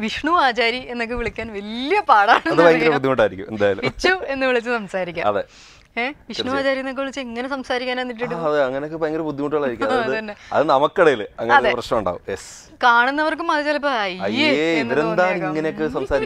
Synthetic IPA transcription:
ʋiʂɳuaːt͡ɕaːɾie̞nːok̬ːeʋiɭikʲːaːnʋɐlijɐpaːɽaːɳeɐnðɨbɐŋɡɐɾepud̪ʱːikoɳɖaːjiɾikʲːumend̪aːjalṵpit͡ɕːue̞nːɨʋiɭit͡ɕːɨsɐmsaːɾikʲːa̰ɐ̰ðe | eʋiʂɳuaːt͡ɕaːɾijenːokːeʋiɭit͡ɕːɨeŋːɐnesɐmsaːɾikʲːaːnenːiʈ̬ːiʈːuɐðɨɐŋːɐneokːepːɐeŋɡɐɾpud̪ʱːikoɳʈːuɭaːjiɾikʲːuɐɐðɨt̪ɐnːeɐ̰ðɨnɐmɐkːɐɽejilɨɐŋːɐeɐeprɐɕnɐmuɳɖa̰ːʋṵmjes | kaːɳunːɐʋɐrk̬ɨmaːd̪it͡ɕːaːlip̬ːɐɐjɐjeeinðɐɾend̪aːiŋːɐneok̬ːesɐmsaːɾi

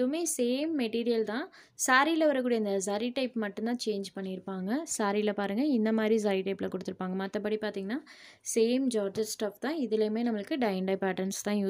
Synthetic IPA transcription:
ɐðʊmeːseːmːɛʈiːɾɪjɐlt̪ãː | saːɾilɐʋɐɾɐkːuːɽɐjɐɪnd̪ɐs̬aɾiʈɐɪpmɐʈːɯ̃nãːt͡ʃeːnd͡ʒpɐɳːɪɪɾɯpːaːŋɡɐsaːɾilɐpaːɾɯŋɡɐɪnd̪ɐmaːd̪ɾis̬aːɾiʈɐɪpːɪlɐkɔɽɯt̪ːɯɾɯpːaːŋɡɐmɐt̪ːɐpɐɽipaːɾt̪iːŋɡɐnːaː | seːmd͡ʒaːɾd͡ʒɐɾsʈɐft̪ãːɪðɪleːmeːnɐmːɐɭɯkːɯɖɐɪɛɳɖɐɪpɛːʈɐɾnst̪ãːjuː

